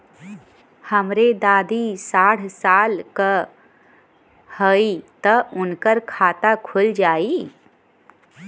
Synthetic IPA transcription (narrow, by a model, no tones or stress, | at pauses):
həmɾed̪aːd̪isaːɽ̤saːlkə | həit̪əʊnkəɾkʰaːt̪akʰʊld͡ʒaːi